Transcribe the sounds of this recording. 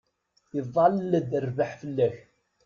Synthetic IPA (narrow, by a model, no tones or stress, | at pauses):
θiðˤɑlːəd̪ərvaħfəlːæç